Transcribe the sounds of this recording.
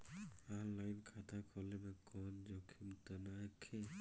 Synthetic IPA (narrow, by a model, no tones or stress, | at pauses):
ɔnlajnkʰat̪ʰakʰɔlebekɔnd͡ʒɔkʰimt̪ənakʰe